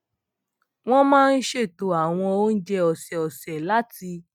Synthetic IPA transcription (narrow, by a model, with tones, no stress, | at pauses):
w̃ɔ̃˦mãː˦˧n̩˦ʃe˦˨to˨˦a˨w̃ɔ̃˧o˦n̩˦d͡ʒɛ˧ɔ˨sɛ˨ɔ˨sɛ˨la˨˦ti˧